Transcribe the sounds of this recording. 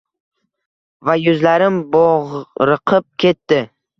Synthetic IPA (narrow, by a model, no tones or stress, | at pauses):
vajʊzlaɾɪmbɒʁɾɨqʰɨp̚kʲʰe̞t̪ːɪ